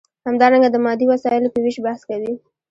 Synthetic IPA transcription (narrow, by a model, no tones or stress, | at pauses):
hamd̪ɑɾaŋɡad̪əmɑd̪iwasɑjɪlopəwiʃbahskawi